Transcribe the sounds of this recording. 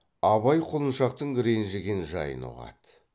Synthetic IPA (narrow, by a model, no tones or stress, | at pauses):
ɑβɑjqʰolˠənʃɑq̚t̪əɴɡʲɪɾe̞jnʒeɡʲenʒɑ̰jə̰nṵʁɑ̰t̪